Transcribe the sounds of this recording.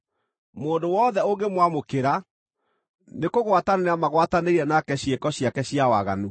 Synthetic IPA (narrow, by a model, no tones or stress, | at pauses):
moːndowɔðɛoŋɡemwamokeɾa | nekoɣwataneeamaɣwataneiɾɛnakɛɕjekɔɕjakɛɕiawaɣa̰nu